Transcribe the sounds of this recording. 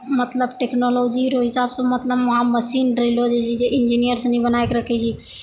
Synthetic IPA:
mət̪ləbʈeknolod͡ʒiɾoɦisabsə̃mət̪ləbməɦaməsinɖɾelod͡ʒɛt͡ʃʰid͡ʒeʔind͡ʒinijəɾsnibənaekɾəkʰɛt͡ʃʰi

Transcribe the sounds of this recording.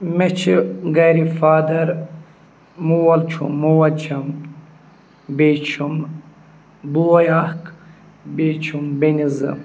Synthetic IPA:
met͡ʃʰiɡɐɾifaːd̪ɐɾ | muwɐlt͡ʃʰṵmuwɐlt͡ʃʰɐm | beːt͡ʃʰum | buwɐjahk | bet͡ʃʰumbenizɨ̰

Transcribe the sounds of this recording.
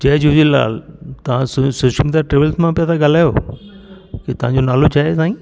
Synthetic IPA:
d͡ʑɐɦd͡ʑud͡ʑilːa̰ːlt̪ɐʋ̤ãssoʃəmd̪ijaʈɾeːʋəlzmãpijat̪ʰaɡal̤aːjoː | ket̪ɐʋ̤ãɲd͡ʑonaːlot͡ɕʰaːɦesãːĩː

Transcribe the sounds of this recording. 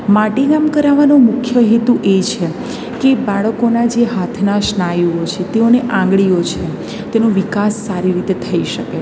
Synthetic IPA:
maʈeɡamkəɾaʋanomʊkʰjəɦet̪uʔet͡ʃʰe | kebaɭəkonad͡ʒeɦat̪ʰnaʃnajuot͡ʃʰet̪eoneʔãŋɡɭijot͡ʃʰe | t̪enoʋikasːaɾiɾit̪et̪ʰəiʃəke

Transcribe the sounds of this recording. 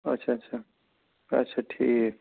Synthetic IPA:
ɐtːʃʰaːtːʃʰa | ɐ̰tːʃʰaʈʰḭːkɦe

